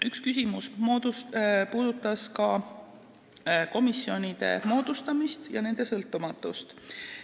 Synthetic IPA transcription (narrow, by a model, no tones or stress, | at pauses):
ykskys̬ʲimusd̪upuːd̪ut̪ːˑɑskɑ | ko̞misːjo̞nʲid̪̥e̞̰mo̞ːd̪̥ust̪ɑmist̪jɑ̰ne̞nd̪̥e̞sɤlt̪ːˑumɑt̪ːˑṵst̪